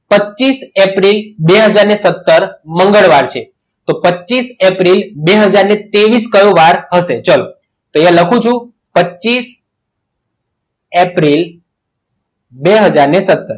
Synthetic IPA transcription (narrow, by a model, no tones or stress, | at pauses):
pət͡ʃːisepɾilbeɦəd͡ʒaɾnesət̪ːəɾməŋɡəɭʋaɾt͡ʃʰe | t̪opətːʃisepɾilbeɦəd͡ʒaɾnet̪eʋiskəjõʋaɾɦəʃet͡ʃəlo | t̪oeãləkʰũt͡ʃʰũ | pətːt͡ʃːis | epɾil | beɦəd͡ʒaɾnesət̪ːəɾ